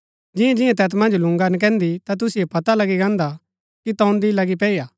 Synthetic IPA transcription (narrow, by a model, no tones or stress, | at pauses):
d͡ʒɪjãd͡ʒɪjãt̪ɛːt̪mɐ̃nd͡ʒlʊ̃ŋɡank̬ɛ̃ːnd̪it̪at̪̬ʊsiepɐt̪alɐɡiɡãːnd̪a | kit̪ɔːnd̪ilɐɡipɛːijaː